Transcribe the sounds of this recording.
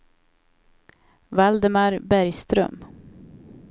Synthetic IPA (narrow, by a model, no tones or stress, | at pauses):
vald̪ɛmaɾbæɾjst̪ɾœ̰m